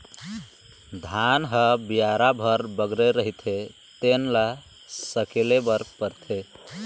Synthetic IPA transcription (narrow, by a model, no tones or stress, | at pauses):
d̪ʱanɦəbijaɾabʱəɾbəɡɾeɾəɦit̪ʰe | t̪enla | səkelebəɾpəɾt̪ʰe